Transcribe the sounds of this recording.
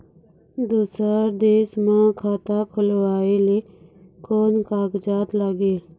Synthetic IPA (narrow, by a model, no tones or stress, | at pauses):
d̪uːsaːɾd̪eːsmãːkʰaːt̪aːkʰʊlʋaːeːleː | koːnkaːkd͡ʒaːt̪laːɡeːl